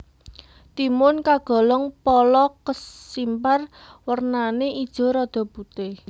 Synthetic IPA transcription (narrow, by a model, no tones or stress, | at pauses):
t̪imʊnkaɡ̥ɔ̤lɔŋpɔlɔkəsimparwərnaneʔid̥ʒ̥ɔ̤ɾɔd̪̥ɔ̤but̪e